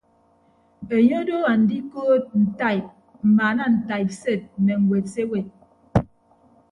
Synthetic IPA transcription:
e˨ɲo˦do˦a˨n̩˨di˦koː˦t̚n̩˨ta˦˨p̚ | m̩˨ma˨˦na˦˨n̩˨ta˨jp̚se˦˨t̚nɛ˨ŋ̩˨we˨tse˦we˨

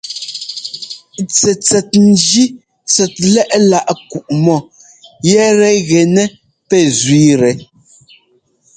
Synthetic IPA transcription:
t͡sɛ˨t͡sɛ˨t̚n̩˨d͡ʒi˦ | t͡sɛ˨t̚lɛ˦ʔla˦ʔku˨ʔmɔ˦˨ | jɛ˦ɾɛ˨ɣɛ˨nɛ˦ | pɛ˦˨zɥiː˦ɾɛ˨

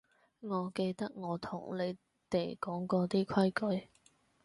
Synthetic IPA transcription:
ŋɔː˨˧ke˧jt̪ɐ˥k̚ŋɔː˨˧t̪ʰʊ˨˩ŋle˨˧j | t̪e˨jkɔː˨˥ŋkɔː˧t̪iː˥kʷʰɐ˥jkɵ˨˧˥j

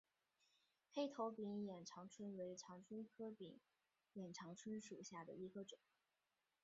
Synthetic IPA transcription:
xe˥˩ɪt̪ʰo˧˥ʊpi˧˥ŋjɛ˨˩nʈ͡ʂʰɑ˧˥ŋʈ͡ʂʰwə˥nwe˧˥ɪʈ͡ʂʰɑ˧˥ŋʈ͡ʂʰə˥nkʰɤ˥pḭ˨˩˦ŋ | jɛ˨˩nʈ͡ʂʰɑ˧˥ŋʈ͡ʂʰə˥nʂu˨˩ɕja˥˩d̪ə̰˩i˧˥ɡə˧ʈ͡ʂʊ˨˩˦ŋ

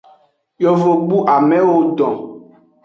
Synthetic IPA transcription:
jo˨vo˨ɡ͡bu˦ʔa˨mɛ̃˦wo˦dɔ̃˨

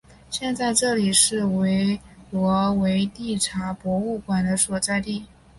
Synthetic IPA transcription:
ɕjɛ˥˧nt͡sa˥˧ɪʈ͡ʂɤ˥˩li˨˩ʂɻ̩˥˩we˧˥ɪlwɔ˧˥we˧˥ɪt̪i˥˩ʈ͡ʂʰa˧˥pwɔ˧˥u˥˩kwa˨˩nd̪ə˦swɔ˨˩t͡sa˥˧ɪt̪i˥˩

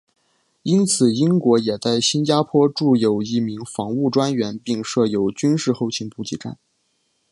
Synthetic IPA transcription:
i˥nt͡sʰɹ̩˨˩i˥ŋkwɔ˧˥jɛ˨˩t͡sa˥˩ɪɕi˥nt͡ɕja˥pʰwɔ˥ʈ͡ʂu˥˩jo˨˩ʊi˥˩mi˧˥ŋfɑ˧˥ŋu˥˩ʈ͡ʂwa˥nɥɛ˧˥npi˥˧ŋʂɤ˥˩jo˧˥ʊt͡ɕy˥nʂɻ̩˥˧xo˥˧ʊt͡ɕʰi˧˥ŋpu˧˥t͡ɕi˧˥ʈ͡ʂa̰˥˩n

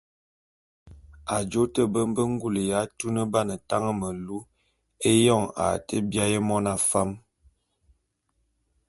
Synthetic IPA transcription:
a˨d͡ʒo˦tə˦˨bə˦m˦bə˦ŋ˦ɡu˦˨lə˨ja˨˦tu˦nə˦ba˦nə˨ta˦ŋə˦mə˨lu˦ | e˦jɔ˦˨ŋa̰˨tə˦bja˦jə˦mɔ˦na˨fa˦m

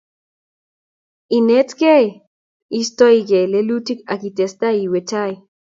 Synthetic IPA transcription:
i˨ne˦tkɛ˦j | i˦stɔ˦i˦kɛ˨le˦lu˦ti˦ka˨ki˨tɛ˨sta˦i˨we˨t͡ʃa˦j

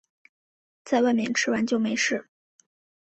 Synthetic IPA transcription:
t͡sa˥˧ɪwa˥˧ɪmjɛ̰˧˥˩nʈ͡ʂʰɻ̩˧˥wa˧˥nt͡ɕjo˥˩ʊme˧˥ɪʂɻ̩˥˩

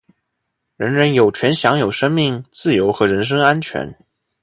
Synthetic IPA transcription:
ɻə˧˥nɻə˧˥njo˨˩ʊt͡ɕʰɥɛ˧˥nɕjɑ˧˥ŋjo˨˩ʊʂɤ˥ŋmi˥˧ŋt͡sɹ̩˥˩jo˧˥ʊxɤ˧˥ɻə˧˥nʂ̬ɤ˥ŋa˥nt͡ɕʰɥɛ̰˧˥n

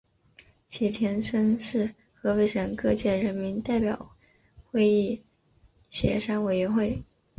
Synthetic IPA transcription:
t͡ɕʰi˨˥˩t͡ɕʰjɛ˧˥nʂə˥nʂɻ̩˥˩ | xɤ˧˥we˥ɪʂə˨˩nkɤ˥˧t͡ɕjɛ˥˩ɻə˧˥nmi˧˥nt̪a˥˩ɪpjɑ˨˩ʊ | xwe˥˧ɪi˥˩ | ɕjɛ̰˧˥ʂa˥nwe˨˩ɪɥɛ˧˥nxwe˥˩ɪ

